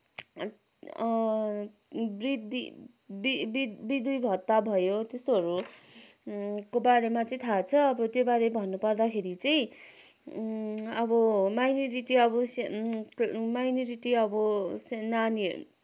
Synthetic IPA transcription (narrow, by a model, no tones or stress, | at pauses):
brid̪i | bibibid̪ujbʱʌt̪ːabʱʌjot̪esʌɾu | kobaɾemat͡sʌĩt̪ʰat͡sʰʌːbʌt̪jobaɾebʱʌnːupʌrd̪akʰeɾit͡sʌj̃ | ʌbʌmajnoɾiʈiʌbʌs | majnʌɾiʈiʌbʌsenanḭ